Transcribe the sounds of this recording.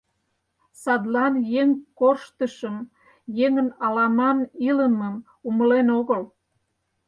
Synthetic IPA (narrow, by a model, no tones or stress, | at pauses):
sɑd̪lɑnjeŋkorʃt̪əʃəm | jeŋənɑlɑmɑniləməm | uməlenoɣəl